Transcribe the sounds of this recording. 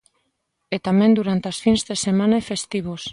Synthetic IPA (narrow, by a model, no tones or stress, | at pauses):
et̪amẽnd̪uɾant̪easfinzðesemãnaefest̪iβos